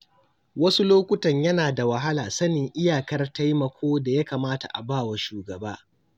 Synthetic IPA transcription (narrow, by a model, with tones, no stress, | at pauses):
wɐ˦su˦loː˦kʷʊ˦tɐ˨ɲjɐ˦naː˨da˨wɐ˨ɦa˦laː˨sɐ˦nɪ˨ŋʔɪ˦jaː˨kɐ˦rta˦jmɐ˨kʷʰoː˦da˨ja˦kaː˨maː˦ta̰˨ʔa̰˨baː˦˨wa˨ʃuː˨ɡɐ˨baː˦